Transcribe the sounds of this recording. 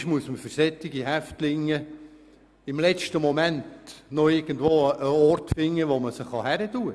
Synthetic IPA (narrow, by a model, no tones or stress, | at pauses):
ʃmuəsməfʏɾsɛtːɪɡiɦæftlɪŋːə | ɪmlɛt͡ʃtəmɔmæntnɔɪɾɡ̥ən̩dʋoːəəɔɾtfɪŋːəʋɔməsəχːɑhæɾətuːə